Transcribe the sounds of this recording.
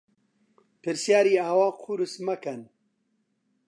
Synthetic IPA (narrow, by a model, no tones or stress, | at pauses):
pɨɾsjaːɾiːaːwaːqʰuɾɨsmɐkɐn